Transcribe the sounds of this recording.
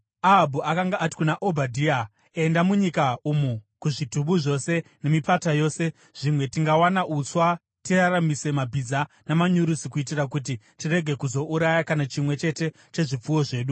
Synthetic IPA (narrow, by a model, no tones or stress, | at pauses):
aɦabʱuakaŋɡaʔːti̥kunaʔobʱadʱiːa | endamuɲikaumukuʐituɓuʐo̞se̞ne̞mipatajo̞ːse̞ | ʐ̥imwe̞tiŋɡawanaʔut͡swa | tiraramise̞mabʱid͡za | namaɲuɾusikuit̬irakut̬i | tireɡʱe̞kuzo̞ʔuɾajakanat͡ʃimwe̞t͡ʃe̞te̞ | t͡ʃe̞ʐip͡fuwo̞ʐe̞ːɗu